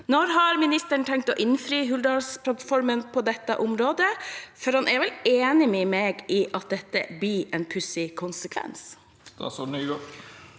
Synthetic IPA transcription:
nɔɾɦɑɾmɪnɪst̪əɳt̪ʰɛŋk̚t̪ɔːʔɪnfɾyːɦʉld̪ɑlspʰlɑt̪fɔɾmənpʰɔd̪ɛt̪ːə̰ʔʊmɾoːd̪əfɔɾhɑnʔæɾʋɛleːnɪmɛmeːɡɪʔɑt̪̚d̪ɛt̪ːə̰b̪ɪɾɛnpʰʉsɪkʰʊnsəkʰʋɛ̰ns | d̪̥ɑ̰sɔnyːɡɔ

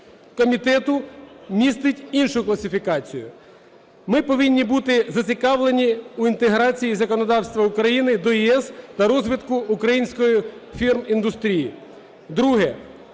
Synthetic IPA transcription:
kɔmʲit̪ɛt̪ʊmʲist̪ɪtʲinʃʊklˠɐsʲɪfʲikɑt͡sʲijʊ̰ | mɪpɔʋinʲːibut̪ɪzɐt͡sʲɪkɑʋlˠenʲiuint̪eɦɾɑt͡sʲijizɐkɔnɔd̪ɑwst̪ʋɐukɾɐjinɪd̪ɔjiɛst̪ɐɾɔzʋʲɪt̪kʊːkɾɐjinʲsʲkɔjifʲirmind̪ʊst̪ɾʲiji | d̪ɾuɦɛ

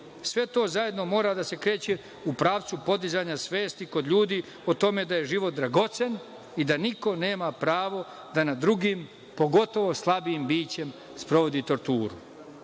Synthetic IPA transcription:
sʋe̞t̪o̞ːzaje̞d̪no̞mo̞ːɾad̪ase̞kɾe̞ːt͡ɕe | upɾaːʋt̪supo̞d̪izaɲasʋe̞ːst̪iko̞d̪ʎuːd̪i | ot̪o̞me̞d̪aje̞ʒiʋo̞t̪̚d̪ɾaɡo̞t̪se̞n | id̪aniko̞ne̞ːmapɾaːʋo̞ | d̪anad̪ɾuɡim | po̞ɡo̞t̪o̞ʋo̞slˠabiimbiːt͡ɕe̞m | spɾo̞ʋo̞d̪it̪o̞ɾt̪uːɾṵ

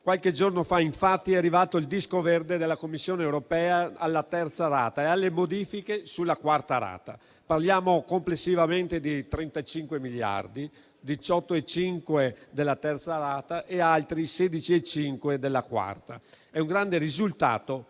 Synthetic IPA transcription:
kwalked͡ʒornofaiɱfat̪ːiɛarːivaːt̪oild̪iskovɛrd̪ed̪elːakomːisːjoːneewɾopɛːaːlːat̪ɛrt̪saɾaːt̪aealːemod̪iːfikesulːakwart̪aɾa̰ːt̪a̰ | parljaːmokomplesːivament̪ed̪it̪ɾent̪at͡ʃiŋkwemiʎːa̰rd̪i | d̪it͡ʃɔt̪ːoet͡ʃiŋkwed̪elːat̪ɛrt̪saɾaːt̪aʔealt̪ɾiseːd̪it͡ʃiet͡ʃiŋkwed̪elːakwa̰rt̪a̰ | ɛuŋɡɾand̪eɾizult̪a̰ːt̪o

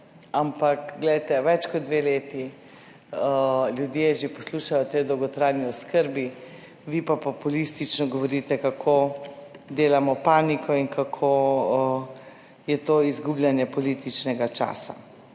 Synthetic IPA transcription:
ampakɡlɛjt̪ɛʋɛt͡ʃkɔt̪̚d̪ʋeleːt̪i | ljud̪jeʒepɔsluʃajɔt̪ejd̪ɔwɡɔt̪ɾajniɔskəɾbi | ʋipapɔpulist̪it͡ʃnɔɡɔʋɔɾiːt̪ɛkakʰo | d̪eːlamɔpaːnikʰɔiŋkʰakʰo | jɛt̪oːizɡublʲjanjɛpɔlit̪it͡ʃnɛɡat͡ʃa̰ːsa̰

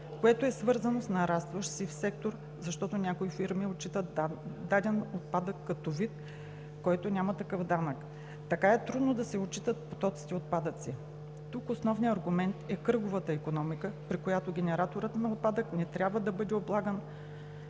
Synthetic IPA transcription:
koɛt̪oɛsvɤɾzɐnosnɐɾast̪vəʃsifsɛk̚t̪oɾ | zɐʃt̪ɔt̪onʲakoifiɾmiot͡ʃːit̪əd̪ad̪ɛnot̪̚pad̪əkːɐt̪ovit̪ | kɔjt̪onʲamɐt̪ɐkɤfd̪anək | t̪ɐkaɛt̪ɾud̪nod̪ɐsɛot͡ʃit̪ət̪̚po̥t̪ɔt̪si̥t̪ɛot̪̚pad̪ət̪si | t̪ukosnɔvniɐɾɡʊmɛnt̪ɛkɤɡovət̪əikonɔmikəpɾikojat̪oɡʲɛnɛɾat̪oɾət̪nɐot̪̚pad̪əknɛt̪ɾʲabvəd̪ɐbɤd̪ɛoblˠaɡən

